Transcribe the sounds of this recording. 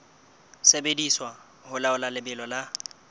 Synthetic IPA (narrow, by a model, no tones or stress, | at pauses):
sebediswa | hʊlaʊlalɪbɪlɔla